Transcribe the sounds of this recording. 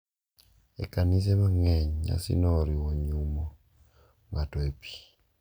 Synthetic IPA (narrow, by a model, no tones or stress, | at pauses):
ḛkanis̬ɛmaŋɛɲɲa̰sḭnɔɾiwoɲumɔ | ŋatɔepi̥